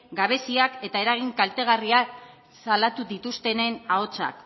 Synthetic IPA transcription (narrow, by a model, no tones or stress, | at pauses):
ɡaβ̞e̞siake̞t̪ae̞ɾaɣ̞iŋkalt̪e̞ɣ̞ariak | salat̪uðit̪ust̪e̞ne̞nao̞t͡sa̰k